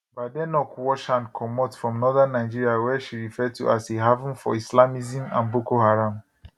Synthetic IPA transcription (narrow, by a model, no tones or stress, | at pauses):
badɛnɔkwɔʃãnkʰɔmɔtfɹɔ̃mnɔðãnːaɪd͡ʒiɹiawɛʃiɹifɛtṵʔasiɦavũnfɔ̰islamizĩmã̰nbokoɦaɹãm